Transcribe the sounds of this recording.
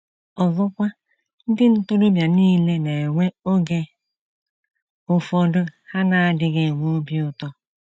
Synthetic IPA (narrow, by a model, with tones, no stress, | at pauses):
ɔ˨vɔ˦kʷa˦ | n̩˦dɪ˦n̩˦to˦ɾo˦bja˨niː˦le˦ne˨e˨ŋʷe˦o˦ɡe˦ | ʊ˨fɔ˨dʊ˦ha˦na˨a˨dɪ˦ɡe˨ŋʷo˦o˦bi˦ʊ˨tɔ˦